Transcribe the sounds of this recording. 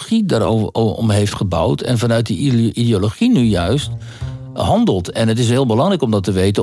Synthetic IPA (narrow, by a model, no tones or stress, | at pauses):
χidaɾo̰ɔ̰mɦejftχəba̰wtʰɛ̰nfɑnœɥt̚dəidioloχinyjœɥst | hɑndəlˠtɛnətɪs̬ɦɪːlˠbəlɑŋɾɛjkɔmdɑtəʋejtə